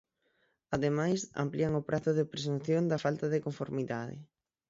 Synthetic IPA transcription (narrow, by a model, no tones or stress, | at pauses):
aðemajsa̰mpliɐŋopɾʔaθʊðepɾes̬unθjond̪ɐfalt̪ɐðekoɱfoɾmiðaðɪ̰